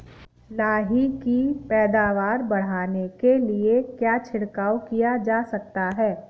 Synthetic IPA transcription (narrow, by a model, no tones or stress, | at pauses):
laːɦikipɛːd̪aːʋaːɾbɐɽ̤aːnekeliekjaːt͡ʃʰɪɽkaːwkijad͡ʒaːsɐk̚t̪aɦɛː